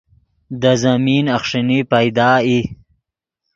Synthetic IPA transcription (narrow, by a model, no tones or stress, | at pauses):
d̪əzamiːnaχʂinipajd̪ɑːi